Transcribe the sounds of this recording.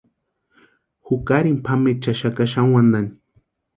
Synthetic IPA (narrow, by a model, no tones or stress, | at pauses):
hukaɾimpʰamet͡ʃaʃakaʃaŋwand̪ani